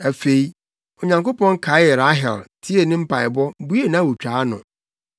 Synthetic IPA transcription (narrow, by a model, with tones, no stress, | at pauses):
æ˨fe˨i˦ | ɔ˨ɲã˨ŋko˦pɔ̃˦nkʰa˨˦jɛ˨ɾa˦ɦɛ˨ltʰi˦e˨nɪ̃˦m̩˦pʰa˨ɪ˨bɔ˦bu˦e˦˨nã˦wu˨t͡ɕᶣaː˨˦nʊ̃˨